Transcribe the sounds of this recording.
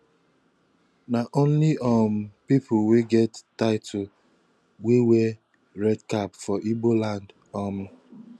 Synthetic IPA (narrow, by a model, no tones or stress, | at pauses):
naʔõnliʔɔm̩pipʰʊweɡɛtːaɪtʰʊ | wewe | ɾɛdkapfɔʔibolãnd | ɔm̩